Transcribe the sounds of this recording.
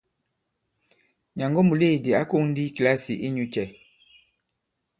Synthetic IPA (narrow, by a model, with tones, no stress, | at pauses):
ɲa˨ŋɡo˦mu˨le˦˨de˨a˦ko˦ŋn̩˦di˦kla˦si˨ʔi˦ɲu˦t͡ʃɛ˨